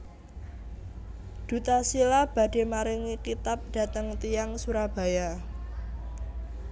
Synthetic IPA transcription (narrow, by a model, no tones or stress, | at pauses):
d̪̥ṳt̪asilab̥ä̤d̥e̤maɾɪŋikit̪ap̚ɖ̥ä̤t̪əŋt̪ijaŋsuɾab̥a̤ja